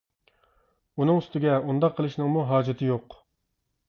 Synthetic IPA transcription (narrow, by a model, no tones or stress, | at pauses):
unɨŋyst̪ɪɡʲɛund̪ɑqʰːəlˠɨʃnɨŋmuɦɑːd͡ʒɪt̪ʰɪjoq